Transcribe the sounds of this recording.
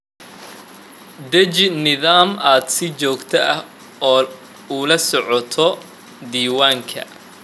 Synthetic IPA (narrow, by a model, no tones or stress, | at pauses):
d̪ɛt͡ʃɪnɪðaːmaːd̪sɪt͡ʃɔːɡt̪ʰɐʔɐh | ɔː | uːlɐsɔʕɔt̪ʰɔ | d̪iːwaːŋkʰɐ̰